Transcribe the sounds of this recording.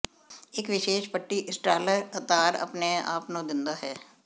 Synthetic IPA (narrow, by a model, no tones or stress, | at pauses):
ɪkʋɪʃeːʃpəʈːiʔɪsʈaːləɾət̪aːɾɐ̰pnea̰ːpnõd̪ɪ̃nd̪aɦɛː